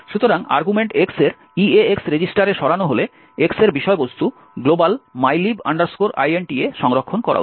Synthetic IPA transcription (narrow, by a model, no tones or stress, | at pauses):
ʃut̪oɾaŋa̰ɾɡumeɳʈekseɾ | ieeksɾed͡ʑisʈaɾeʃɔɾanoɦole | ekseɾbiʃɔebost̪u | ɡlobalmajliba̰ɳɖaɾskoɾa̰jenʈieʃɔŋɾokʰːonkɔɾa̰